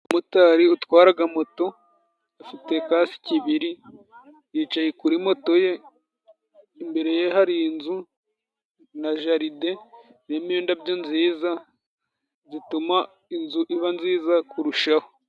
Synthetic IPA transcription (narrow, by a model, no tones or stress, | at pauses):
umutaɾiutwaːɾaɡamo̞to̞ | afite̞kaːsi̥ciβiɾi | jiːt͡ʃajekuɾimo̞to̞je̞ | mbe̞ɾe̞jeɦaɾiinzu | naʒaɾide̞ | neːmioːndabjo̞nziːza | zituma | inzuʔiβanziːzakuɾuʃaho